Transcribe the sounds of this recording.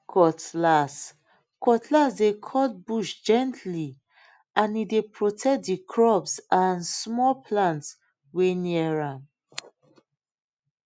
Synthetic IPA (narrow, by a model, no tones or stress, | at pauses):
kʰɔtlas | kɔtʰlasdekʰɔt̚buʃd͡ʒɛ̃ntʰli | ãnidepɹotʰɛk̚dikʰɹɔbsãnsmɔlpʰlãnts | weniɛɹãn